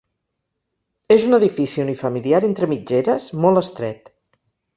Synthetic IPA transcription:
ezunəðifisiunifəmiliaɾent̪ɾəmid͡ʒeɾəzmɔlˠəst̪ɾɛ̰t̪

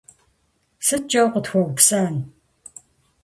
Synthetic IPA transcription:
sɨt͡ʃʼɐwqətxʷɔɣʷpsaːn

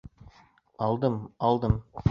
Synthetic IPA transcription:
ɑlˠd̪əmɑlˠd̪əm

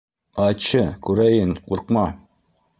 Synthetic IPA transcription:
ɑt͡ɕɤkʉɾæjɘnquɾqmɑ

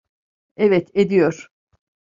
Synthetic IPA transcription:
ɛvɛt̪ʰed̪ijoɾ̥

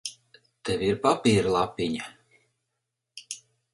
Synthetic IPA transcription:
t̪ɛvʲiɾpapʲiːɾlˠapʲiɲa

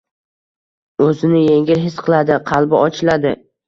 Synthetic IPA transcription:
ɵzɪnɪjeŋʲɪɾɦɪsqʰɨlˠad̪ɪqʰɑlˠbɪɒt͡ʃʰɪlad̪ɪ

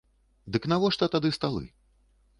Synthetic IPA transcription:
d̪ɨknavɔʂt̪ɐt̪ad̪ɨst̪alˠɨ̰

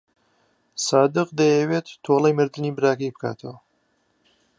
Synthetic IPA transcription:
saːd̪ɨqd̪ɐjɛwet̪ːʰoːlˠɐjmɨɾd̪ɨnibɨɾaːkɐjbɨkaːt̪ʰɐwɐ

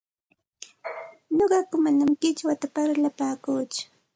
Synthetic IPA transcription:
noɢɑkʊmanamkɪt͡ʃwat̪apaɾlapaːkuːt͡ʃʊ̥

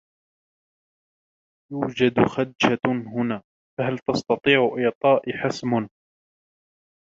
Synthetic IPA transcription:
juːd͡ʒad̪xad̪d͡ʒaɦʊnaː | faɦalt̪ɑst̪ɑt̪ˤiːʕʔɪːt̪ˤɑːʔɪħasmʊn

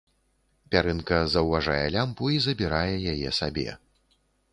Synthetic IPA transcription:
pʲaɾɨnkɐzɐwvaʐajɛlʲampuizɐbʲiɾajɛjajɛsabʲɛ̰

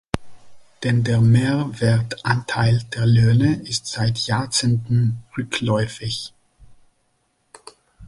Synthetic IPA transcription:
d̥ɛndeːɐmeːɐvɛɐtʔantʰaɪldeːɐløːnəʔɪstz̥aɪtʰjaːt͡sentn̩ʁʏklɔʏfɪç

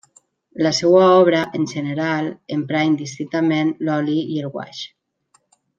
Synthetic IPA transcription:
lasɛwaɔβ̞ɾaʔenʲʒəneɾalempɾajnd̪ist̪ɾint̪amenlɔliielɣwa̰ʃ

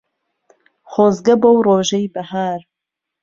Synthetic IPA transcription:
χoːzɡɐbowroːʒɛjbɐhaːɾ

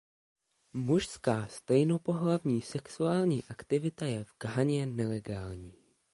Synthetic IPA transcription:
muʃskaːst̪ɛjno̞po̞ɦlavɲiːsɛksuaːlɲiːʔakt̪ɪvɪt̪ajɛvɡ̥aɦaɲɛnɛlɛɡaːlɲiː

